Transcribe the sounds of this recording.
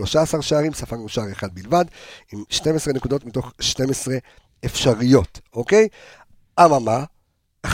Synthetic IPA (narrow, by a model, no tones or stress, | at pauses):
lo̞ʃaːsaʁʃaːʁimsafaʁuʃaaʁeχad̪̚bilvadimʃte̞mesʁenekudo̞tmitoχʃte̞mesʁe̞ | efʃaʁijo̞toke̞j | ʔamama | aχ